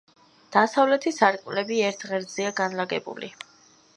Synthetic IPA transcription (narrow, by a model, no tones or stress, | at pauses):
d̪̥asavlɛt̪ʰisaɾkʼvlɛbiɛɾt̪ʰʁɛɾd̪z̥iaɡanlaɡɛ̰bṵlḭ